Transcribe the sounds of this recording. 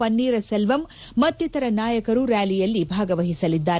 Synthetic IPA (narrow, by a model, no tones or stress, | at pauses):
ɐnːiːɾɐselʋɐmː | ɐt̪ːjit̪ɐɾɐnaːjɐkɐɾuɾaːlijɐlːibʱaːɡɐʋɐɦisɐlid̪ːaːɾ